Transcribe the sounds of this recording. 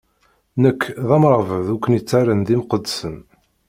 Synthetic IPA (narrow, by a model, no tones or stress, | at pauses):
nəkːðæmɾˤvəðukʷːənjət͡sːaɾənðimqəd̪ːsən